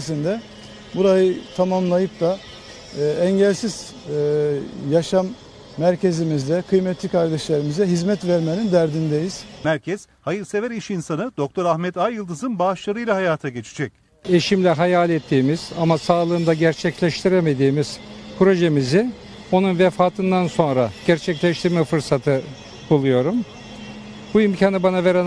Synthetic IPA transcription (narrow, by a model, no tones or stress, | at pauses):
s̬ind̪ɛ | buɾajɯt̪ʰamamlˠajɯp̚d̪aː | ɛɲɟɛlʲsiz̥ | jaʃamː | æɾce̞zimizd̪ɛkʰɯjmɛt̪ʰlʲikʰaɾd̪ɛʃlʲeɾimizɛɦizmɛt̪væɾmenind̪æɾd̪ind̪ejiz̥mæɾcʰɛz̥ | hajɯɾse̞væɾiʃinsanɯd̪o̞k̚t̪ʰo̞ɾaxmɛt̪ajːɯlˠd̪ɯzɯnbaʃlˠaɾɯjlʲˠaɦajaːt̪ʰaɟe̞t͡ʃʰi̥d͡ʒɛc̚ | e̞ʃimlʲɛɦajalʲɛt̪ʰːiːmiz̥amasaːlˠɯɯːnd̪aɟæɾt͡ʃʰɛclʲɛʃt̪ʰiɾeme̞d̪iːmiz̥pʰɾo̞ʒe̞mizi | o̞nunvefaːt̪ʰɯnd̪anso̞nɾaɟ̥æɾt͡ʃʰɛclʲɛʃt̪ʰiɾmɛfɯɾsat̪ʰɯ | b̥ulˠujo̞ɾum | buimcʰaːnɯbanave̞ɾen